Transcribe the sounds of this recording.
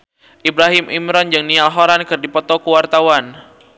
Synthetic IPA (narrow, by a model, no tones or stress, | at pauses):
ʔibɾaɦɪmʔimɾɔnd͡ʒɨŋnialɦɔɾankɨrdipɔt̪ɔkəwart̪awan